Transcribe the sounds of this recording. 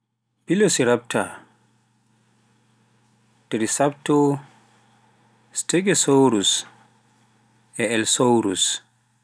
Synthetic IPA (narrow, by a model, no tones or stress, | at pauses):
b̥ilosiɾap̚ta | d̥iɾisap̚tɔ | steɡɛsowɾus | ɛɛlsowɾus